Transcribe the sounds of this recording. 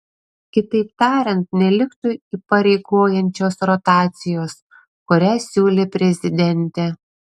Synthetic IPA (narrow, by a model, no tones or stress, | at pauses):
kʲɪt̪ɐɪpt̪ɑːɾʲɛnt̪̚nʲɛlʲɪkt̪ʊiːpɐɾʲɛɪɡoːjɛnʲt͡ʃʲoːsɾɔt̪ɑːt̪sʲɪjoːs | kʊɾʲæːsʲuːlʲeːpʲɾʲɛzʲɪd̪ʲɛnʲt̪ʲɛ